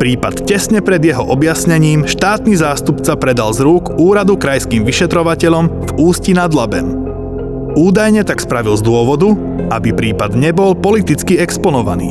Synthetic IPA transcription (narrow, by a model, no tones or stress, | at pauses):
pɾiːpat̪cɛsɲɛpɾɛd̪jɛɦɔʔɔbjasɲɛɲiːmʃt̪aːt̪nizaːst̪upt͡sapɾɛd̪alzɾukuːɾad̪ukɾajskiːmʋiʃɛt̪ɾɔʋacɛʎɔmvuːscinad̪labɛ̰m | uːd̪ajɲɛt̪akspɾaʋilzd̪ʊɔʋɔd̪u | abipɾiːpad̪ɲɛbɔlpɔlit̪it͡skiɛkspɔnɔʋa̰nḭː